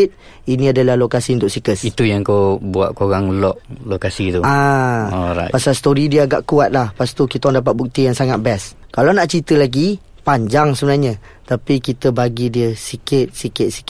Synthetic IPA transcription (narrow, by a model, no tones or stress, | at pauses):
ɪt̪̚ | inĩadəlahlokasiunt̪ʊk̚sikəsit̪ujaŋkawbua̰ʔ̪̚koɾaŋulɔʔlokasit̪uaɔɾa̰pasalst̪oɾidiəaɡa̰ʔkuat̪̚lahpast̪ukit̪awaŋdapat̪̚buk̚t̪ijaŋsaŋat̪̚bɛs | kalanaʔt͡ʃit̪əlaɡi | paɲd͡ʒaŋsəbənarɲa | t̪apikit̪əbaɡidiəsikɪt̪̚sikɪt̪̚si̥k